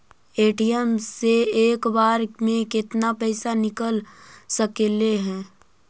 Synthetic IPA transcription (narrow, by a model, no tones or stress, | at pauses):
eːʈiəmeeːkbaːɾmẽkɪt̪napəɪsanɪkəlsəkeleɦɛ̃ː